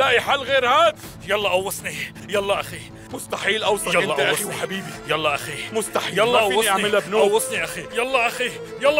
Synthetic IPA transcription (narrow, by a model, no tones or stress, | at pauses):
laʔiħalːɣeːɾhaːd̪ | jɑlːɑʔɑwːɑsˤni | jɑlˤːɑʔaxi | mʊst̪aħiːlʔawsˤjlːɑʔ̪ʔaxiwħabiːbijɑlˤːɑʔaximʊst̪aħiːjɑlˤːɑʔɑaʕmɪlabnoawːɑsˤniʔaxijɑlˤːɑʔaxi | jɑlˤː